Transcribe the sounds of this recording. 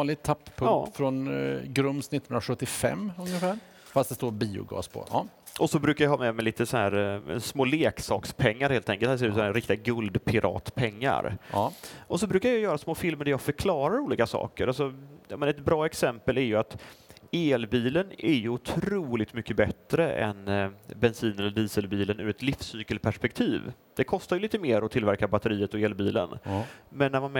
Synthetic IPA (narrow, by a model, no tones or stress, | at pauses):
nlɪɡt̪ʰapːpʰːɵkɑːt̪fɾɔnɡɾɵmsnɪt̪ːnnɾaɧɵt̪ːɪfɛ̰mːɵŋəfæːɾ | fast̪d̪ɛst̪oːɾbiːʊ̰ɡɑ̰ːspʰɔ̰ɑ̰ː | ʔɔsɔbɾʉ̟ːkajɑhɑːmɛmɛliːt̪əsɔhæːɾɛ̰smoːleːksɑːkspʰɛŋːaɾheːlt̪ʰɛŋkəlhæs̬eːʉːt̪sɔæːɾɪk̚t̪ɪɡaɡɵld̪pʰɪɾʔɑ̰ːt̪pʰɛŋːa̰ɾ | ʔɔsɔbɾʉ̟kaɾjɑjœːɾasmoːfɪlməɖæɾjɑɡfœɾkʰlɑːɾaɾuːliːkasɑ̰ːkəɾalsɔjɑmɛnaɛt̪̚bɾɑːɛksɛmpəlæɾjɵat̪eːlbiːlənʔæɾjɵʊt̪ʰɾuːlɪk̚t̪mʏkːəbɛt̪ɾəʔɛ̰nbɛnsiːnɛlːəɖ̪iːsəlbiːlənʉ̰ɾɛt̪lɪfsːyːkəlpʰæʂpɛk̚t̪ʰiːv | d̪̥ɛkʰɔst̪ajʏliːt̪əmeːɾɔt̪ʰɪlvæɾkabat̪ːəɾiːət̪ɔeːlbiːlə̰nmɛnːæɾmanm